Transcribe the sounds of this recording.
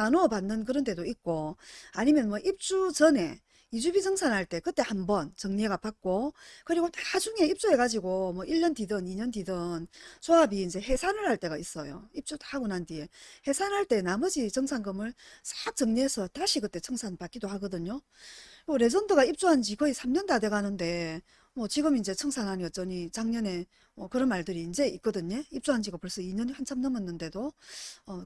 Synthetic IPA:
anoʌpanːɯnk̬ɯɾʌnde̞doit̚k͈oaɲimjʌnmwʌʔip̚t͡ɕ͈ut͡ɕʌne̞̰ | id͡ʑubid͡ʑʰʌŋsʰanhaɭt͈e̞kɯt͈e̞hambʌnt͡ɕʌŋɲeɡapak̚k͈okɯɾiɡotḁad͡ʑuŋe̞ip̚t͡ɕ͈ue̞ɡad͡ʑiɡomwʌʔiʎːʌndidɯniɲʌndidɯnsʰoabiːnd͡ʑe̞ɦe̞sʰanɯɭhaɭt͈e̞ɡais͈ʌjo̰ip̚t͡ɕ͈utḁaɡonandie̞he̞sʰanaɭt͈e̞namʌd͡ʑit͡ɕʌŋsʰanɡɯmɯɭs͈ḁk̚t͡ɕʌŋɲiɦesʰʌtaɕʰiɡɯt͈e̞t͡ɕʰɯŋsʰanpak͈̚idohaɡʌdɯɲo | oɾe̞sʌndoɡaip̚t͡ɕ͈uɦand͡ʑikʌisʰamɲʌndade̞ɡanɯnde̞ | mwʌt͡ɕiɡɯmind͡ʑe̞t͡ɕʰʌŋsʰanɦaniʌt̚t͡ɕ͈ʌɲit͡ɕaŋɲʌne̞ | mʌkɯɾʌnmaɭdɯɾiːnd͡ʑe̞ik͈ʌdɯɲeip̚t͡ɕ͈uɦand͡ʑiɡapoɭs͈ʌiɲʌnɸant͡ɕʰamnʌmʌnːɯnde̞doʌ

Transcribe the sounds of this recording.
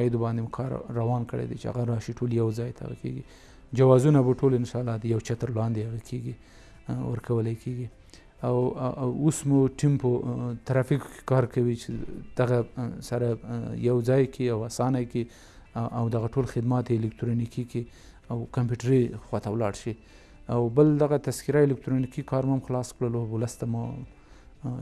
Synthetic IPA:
jɪd̪obɑnd̪emkʰɑɾːawɑnkəɽḛd̪ḛt͡ʃea̰ɣaɾɑʃiʈʰoljawzɑjt̪a̰ɣa̰kḛɡi | d͡ʒawɑzunabaʈʰolɪnʃɑlːɑd̪əjawt͡ʃat̪əɾlɑnd̪eaɣakʰeɡi | wə̰ɾkʰawəlajkʰeɡi | awosmuʈimpət̪aɾɑfikkʰe̥kɑɾkawit͡ʃed̪̥aɣasaɾajawd͡zɑjkʰiawasɑnajki | ʔawd̪aɣaʈolxɪd̪mɑt̪eɪlɪk̚tɾonikiki | awkampjuʈɾixwat̪awlɑɽʃi | awbəld̪aɣat̪askɪɾaɪlɪk̚t̪ɾonikikɑɾmamxlɑskɽəlowləst̪amu

